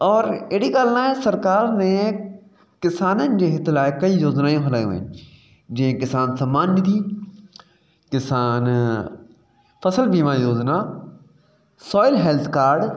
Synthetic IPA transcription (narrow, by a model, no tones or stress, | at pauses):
ɔːɾeɽiɡaːlnãːesɐɾkaːɾnẽ | kɪsaːnənɪ̆d͡ʑeːɦɪt̪ɪlaːekɐijoːznaːjõɦɐlaːjõ̰ːɦɪ̰nɪ̆ | d͡ʑĩɦẽkɪsaːnsɐmːaːnmɪd̪iː | kɪsaːn | fɐsəlbiːmãjoːzna | sɔːɪlɦɛːlt̪ʰkaːɾɖ